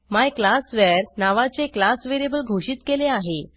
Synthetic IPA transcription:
majklasʋɛɾnaʋat͡seklasʋeɾjebəlɡʱoɕiːt̪keleaɦe

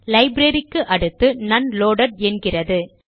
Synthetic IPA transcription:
lɐɪbɾɐɾɪkːɯʔɐɽɯt̪ːɯnɐnloːɽɐɾɛnɡɪrɐðɯ

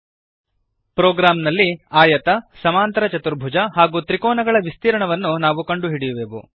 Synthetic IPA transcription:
pɾoːɡɾaːmnɐlːiaːjɐt̪ɐsɐmaːnt̪ɐɾɐt͡ʃɐt̪uɾbʱud͡ʒɐɦaːɡuːt̪ɾikɔːnɐɡɐɭɐʋist̪iːɾɐɳɐʋɐnːunaːʋukɐɳɖuɦiɽijuʋeːʋṵ

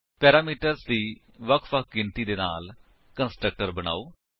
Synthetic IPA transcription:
pɛːɾaːmiːʈəɾsd̪iː | ʋəkʰʋək̚ʰɡɪnt̪iːd̪eːna̰ːl | kənsʈɾək̚ʈəɾbəña̰ːoː

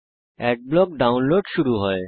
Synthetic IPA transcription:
ɛʈ̚blɔk̚ɖaunloɖʃuɾuɦɔe

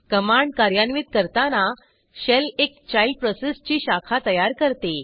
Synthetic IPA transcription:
kəmaɳɖ̚kaɾjanʋiːt̪̚kəɾt̪ana | ɕelekt͡ɕajil̚pɾɔsest͡ɕiːɕakʰat̪əjaɾkəɾt̪e

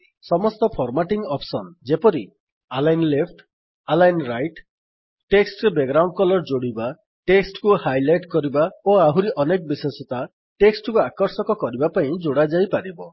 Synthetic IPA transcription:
sɔmɔst̪ɔpʰɔɾmaʈiŋɡɔpʰsɔnd͡ʒepɔɾi | alajnlepʰʈʰ | alajnɾajʈː | eksʈbeɡɾawɳɖkɔlɔɾd͡ʒoɽiba | ʈeksʈkuhajlajʈkɔɾibaoaɦuɾiʔɔnekbisesɔt̪a | ʈeksʈkuakɔɾsɔkɔkɔɾibapaĩd͡ʒoɽad͡ʒajpaɾibɔ

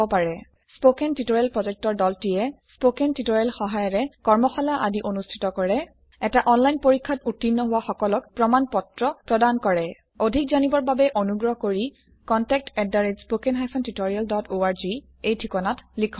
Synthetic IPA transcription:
ɔpaɹɛ | spokɛntitoɹialpɹɔzɛk̚tɔɹdɔltijɛspokentitoɹalxɔɦajɔɹɛkɔɹmɔxɔlaʔadiʔonustʰi̥tɔkɔɹɛ | ɛtaʔɔnlajnpoɹikʰːatutːinːɔɦʊwaxɔkɔlɔkpɹɔmanpɔtɹɔpɹɔdankɔɹɛ | odʱik̚zanibɔɹbabɛʔonuɡɹɔkoɹi | kɔntɛk̚tɛdːaɹed͡ʒspokɛnɦajpʰɔntitoɹialdɔtʰoaɹzi | ejtʰikɔnatlikʰɔ

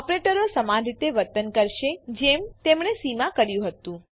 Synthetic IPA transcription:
əpɾeʈəɾosəmãd͡ʒit̪eʋəɾt̪ənkəɾʃed͡ʒemt̪emɳesimãkəɾjũɦət̪ũ

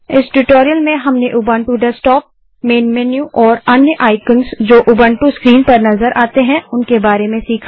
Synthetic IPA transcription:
ɪsʈuʈoːɾijəlmẽɦɐmneʔʊbãːɳʈuɖɛsʈɔːp̚ | meːnmɛnjuʔɔːɾɐnjəʔaːɪkənsd͡ʒoːʔʊbə̃ːɳʈuskɾiːnpɐɾnɐzəɾʔaːt̪eɦɛ̃ʊnkebaːɾemẽsiːkʰa

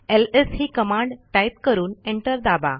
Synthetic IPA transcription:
elesɦiːkəmãɳɖʈajp̚kəɾuːneɳʈəɾd̪aba̰

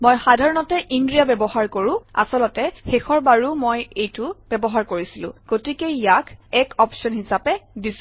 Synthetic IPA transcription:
mojxadʱaɹɔnɔtɛʔindɹijabɛbɔɦaɹkoɹʊ̃a̰sɔlɔtɛxexɔɹbaɹumojejtʊb̥ɛbɔɦaɹkoɹisilʊ̰̃ɡ̥otikeijakʰɛkʰɔpsɔnhisapɛdis

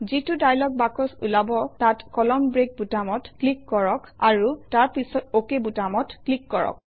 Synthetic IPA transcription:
zitudajlɔk̚bakɔsṵlabɔtatkɔlɔmbɹek̚butamɔtklikːɔɹɔkaɹutaɹpisɔtokebutamɔtklikːɔɹɔ̰k̚

